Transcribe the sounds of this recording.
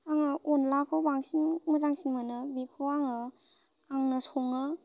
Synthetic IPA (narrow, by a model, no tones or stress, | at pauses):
aŋɯɔnlakʰobaŋsinmɯzaŋsinmɯnɯbikʰoaŋɯ | aŋnɯsɔŋɯ